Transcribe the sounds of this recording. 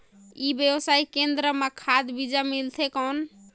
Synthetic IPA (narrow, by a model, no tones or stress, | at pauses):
ibjebsaikend̪ɾəmekʰad̪bid͡ʒamilt̪ʰekən